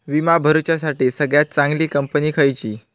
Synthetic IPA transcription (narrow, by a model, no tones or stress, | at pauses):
ʋimabʱəɾut͡ɕasaʈiːsəɡɭjat̪̚t͡sãŋɡliːkəmpəniːkʰəjt͡ɕiː